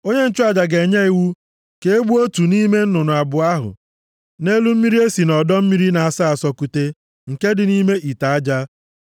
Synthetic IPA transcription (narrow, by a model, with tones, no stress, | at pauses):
o˦ɲe˦n̩˦t͡ʃʊ˦a˨d͡ʒa˨ɡe˨ɲe˦i˨wu˦ | ke˦e˦ɡ͡bu˦o˦tu˨ni˦me˦n̩˦nʊ˨nʊ˨a˨bʊ˨a˦ɦʊ̰˨ | ne˦lu˦m̩˦mi˦ɾi˦e˦si˨nɔ˨dɔ˦m̩˦mi˦ɾi˦na˨a˨sa˦a˨sɔ˦ku˨te˦ | ŋ̩˨ke˦dɪ˨ni˦me˦ʔi˨ta˨a˦d͡ʒa˦